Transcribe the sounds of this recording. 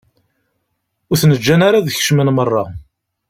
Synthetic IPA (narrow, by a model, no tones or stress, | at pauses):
ʊɾθnəd͡ʒːænaɾaðəçə̥ʃmənmərˤːɑ